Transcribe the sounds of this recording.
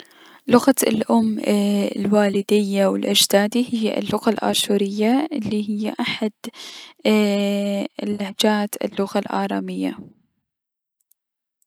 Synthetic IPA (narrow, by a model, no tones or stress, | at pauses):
lʊɣaɪ̰lʔʊmːɪlwaːlɪd̪ɪjːawɪlʔad͡ʒd̪aːd̪ihɪjːʔɪ̰lːʊɣalʔa̰ːʃuːɾɪjːaʔɪlːiɦɪjːaʔaħad̪ | lːahd͡ʒaːt̪ɪ̰lːʊɣalʔa̰ːɾˤɑːmɪjːa̰